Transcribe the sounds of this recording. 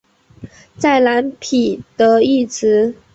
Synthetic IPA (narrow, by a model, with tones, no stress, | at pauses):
t͡sa˥˩ɪla˧˥npʰi˨˩t̪ɤ˧˥i˥˩t͡sʰɹ̩˨˧˥